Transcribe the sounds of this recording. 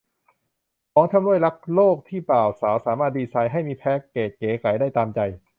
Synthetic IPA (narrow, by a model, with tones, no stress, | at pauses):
kʰɔː˩˦ŋt̪ʰa˧mɾu˥˩jla˦˥k̚loː˥˩k̚t̪ʰiː˥˩paː˨˩wsaː˩˦wsaː˩˦maː˥˩diː˧saː˧jɦa˥˩jmiː˧pʰɛː˦˥kːeː˨˩kːeː˩˦kʰa˨˩˦jdaː˥˩jt̪aː˧mt͡ɕa˧j